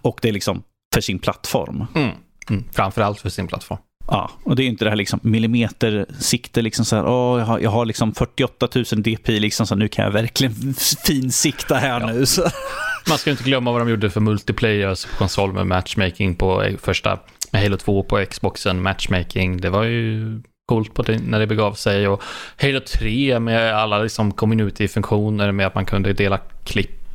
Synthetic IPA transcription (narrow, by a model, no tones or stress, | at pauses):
ɔk̚d̪ɛæɾɭɪksɔm | fœʂɪnpʰlat̪ːfɔ̰ɾm̩ | fɾamfœɾalt̪fœʂɪnpʰla̰t̪fɔ̰ɾmʔɑ̰ːɔd̪ɛæjʏnt̪əd̪ɛhæːlɪksɔmːɪlɪmeːt̪əɾsɪkt̪əlɪksɔmsɔhæ̰ːɾʔɔːjɑajʔɑ̰ːɡɦaɾlɪksɔmfœʈːɪɔt̪ːat̪ʰʉ̟ːsənd̪eːpʰiːlɪksɔmsɔanʉ̟ːkʰanja̰væɾklɪɡənfiːnsɪkt̪ahæːɳʉ̟ːsɔmanskajʏɪt̪əɡlœmːavad̪ɔmjuːɖːəfœɾmɵlt̪ɪpʰlɛjœspʰɔ̥kʰɔnsɔlːmɛ̰mæt̪ʂmɛjkɪŋpʰɔɛ̰fœʂʈa̰ | mɛhɛlʊt̪ʰvoːpʰɔɛksbɔksənmæt̪ʂmɛjkɪŋd̪ɛvaɾjɵ | kʰuːlt̪̚pʰɔd̪ɛnæɖɛbɛɡɑːvsɛjɔhɛjlʊt̪ʰɾeːmɛalːalɪksɔmkʰɔmːɪnʉ̟ːt̪ɪfɵŋkɧuːnəɾmɛat̪mankʰɵnd̪əd̪eːlakʰlɪpː